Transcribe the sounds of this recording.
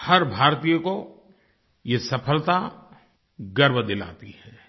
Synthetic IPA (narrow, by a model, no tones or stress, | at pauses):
hɐɾbʱaːɾt̪ijoko | jesɐpʰəlt̪a | ɡɐɾʋd̪ɪla̰ːt̪ihɛː